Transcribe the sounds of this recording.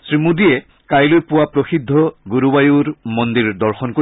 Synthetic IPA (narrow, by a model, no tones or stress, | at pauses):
sɹimudiɛ | kajlojpʊwapɹoxidʱːɔɡuɾubajuɹmɔnd̪iɹdɔɹxɔnko